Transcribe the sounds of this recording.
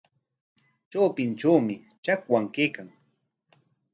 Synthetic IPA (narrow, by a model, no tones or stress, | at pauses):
t͡ʃawpɪnt͡ʃawmɪ | t͡ʃakwaŋkeːkaŋ